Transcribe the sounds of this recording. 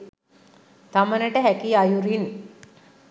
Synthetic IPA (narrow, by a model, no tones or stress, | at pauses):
t̪amənəʈəɦækiajuɾin